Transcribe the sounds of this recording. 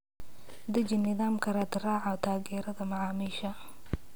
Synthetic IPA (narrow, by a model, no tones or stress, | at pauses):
d̪ɐd͡ʒɪnːɪðaːmkʰɐɾaːt̪raːʕɔt̪ʰaːɣɛːɾɐðɐmɑʕɑːmɪʃɐ